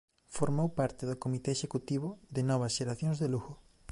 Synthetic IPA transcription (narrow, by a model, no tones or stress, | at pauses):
foɾmowpaɾt̪ɪðʊkomit̪eeʃekut̪iβʊðɪnɔβ̞ɐsʃeɾaθjõŋzðeluɣʊ